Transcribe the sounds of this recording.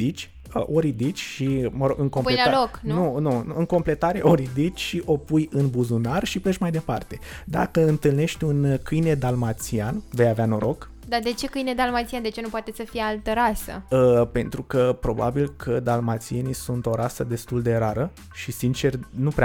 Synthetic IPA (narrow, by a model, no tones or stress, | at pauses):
it͡ʃʲ | ə̰ʔoɾid̪it͡ʃʲʃiməɾoɡɨŋkompuelaloknunuɨŋko̞mple̞t̪aɾe̞ʔo̞ɾid̪it͡ʃʲʃiʔo̞pujɨnbuzunarʃipeʃmajd̪e̞part̪e̞d̪a̰kəɨnt̪ɨlne̞ʃt̪ʲunkɨjne̞d̪almat̪sianve̞javeano̞ɾo̞k | d̪ad̪e̞t͡ʃe̞kɨjned̪almat̪siand̪e̞t͡ʃenupoat̪esəfijealt̪əɾasə̰əpe̞nt̪ɾukəpɾo̞ba̰bilkʰəd̪almat̪sie̞nijsunt̪o̞ɾasəd̪e̞st̪uld̪e̞ɾaɾə | ʃisint͡ʃe̞rnupɾea